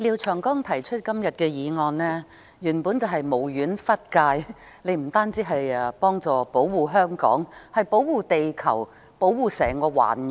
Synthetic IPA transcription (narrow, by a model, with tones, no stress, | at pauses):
liː˨˧wt͡ʃʰœː˨˩ŋkɔː˥ŋt̪ʰɐ˨˩jt͡ʃʰɵ˥t̚kɐ˥mjɐ˨t̚kɛː˧jiː˨˧ŋɔː˧nlɛː˥ | jyː˨˩npuː˨˥nt͡sɐ˨wɦɐ˨jmo˨˩wjyː˨˥nfɐ˥t̚kaː˧j | le˨˧jm̩˨˩t̪aː˥nt͡siː˨˥ɦɐ˨jɛ˧pɔː˥ŋt͡sɔː˨po˨˥wwuː˨˩ɦœː˥ŋkɔ̰ː˨˥ŋhɐ˨jpo˨˥wwuː˨t̪e˨jkʰɐ̰˨˩w | po˨˥wwuː˨sɛː˨˩ŋkɔː˧wa̰ː˨˩n˨